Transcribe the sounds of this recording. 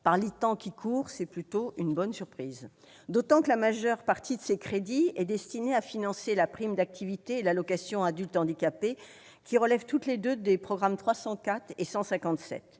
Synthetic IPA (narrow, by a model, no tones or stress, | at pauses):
paʁlet̪ɑ̃kʲikʰuːʁsɛplyt̪oynbɔnsyʁpχiːz | d̪ot̪ɑ̃kəlamaʒœʁpaʁt̪ʰid̪əsekχed̪iɛd̪ɛst̪ineafinɑ̃selapχimd̪ak̚t̪ʰivit̪eːlalɔkasjɔ̃ad̪ylt̪ɑ̃d̪ikape | kʲiʁəlɛvt̪ut̪led̪ød̪epχɔɡʁamt̪χwasɑ̃kat̪χesɑ̃sɛ̃kɑ̃t̪sɛ̰t̪